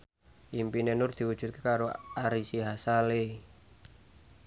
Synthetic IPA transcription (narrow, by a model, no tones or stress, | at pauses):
ʔimpinenʊrd̪̥i̤wud̥ʒ̥ṳt̪̚ke̥kaɾoaɾisiɦasale